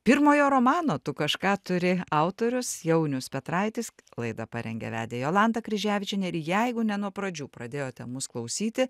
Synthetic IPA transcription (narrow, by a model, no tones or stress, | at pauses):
pʲɪɾmoːjoːɾoːmɑːnoːt̪ʊkɐʃkɑːt̪ʊɾʲɪɑʊt̪oːɾʲʊsjɛʊnʲʊspʲɛt̪ɾɐɪt̪ʲɪslˠɐɪd̪ɐpɑɾʲɛ̰ŋʲɡʲɛ̰ʋʲæ̰ːd̪ʲejoːlˠɑnt̪ɐkɾʲɪʒʲæːʋʲɪt͡ʃʲɛnʲɛɾjɛɪɡʊnʲɛnuɔpɾɐd͡ʒʲuːpɾɐd̪ʲeːjoːt̪ʲɛmʊsklˠɐʊsʲiːt̪ʲɪ